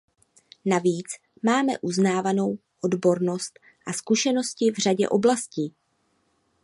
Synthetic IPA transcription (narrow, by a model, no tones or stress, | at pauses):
naviːt͡s | maːmɛ̰ʔuznaːvano̞wʔo̞dbo̞ɾno̞st̪ | ʔaskuʃɛno̞scɪvr̝aɟɛ̰ʔo̞blasciː